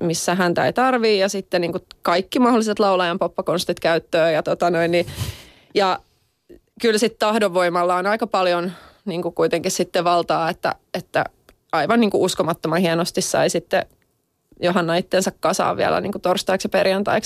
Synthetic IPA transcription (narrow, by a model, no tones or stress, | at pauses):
misːæɦænt̪æ̰it̪ɑrʋiːjɑsit̪ːenniːŋkukɑikːimɑholːˑiset̪lɑulɑjɑmpopːɑkonst̪it̪kæyt̪ːøːjɑt̪ot̪ɑnoinni | jɑ | kylsit̪t̪ɑhdoʋːoimɑlːɑonɑikɑpɑljonniːŋkukuit̪eŋkissit̪ːeʋɑlt̪ɑːet̪ːæ̰ | et̪ːæ̰ | ɑiʋɑnniːŋkuʔuskomɑt̪ːomɑnhienost̪issɑ̰isit̪ːḛ | joɦɑnːɑit̪ːensɑkkɑsɑ̰ːʋʋḭæ̰læ̰nḭŋkut̪orst̪ɑiksjɑperjɑnt̪ɑ̰iks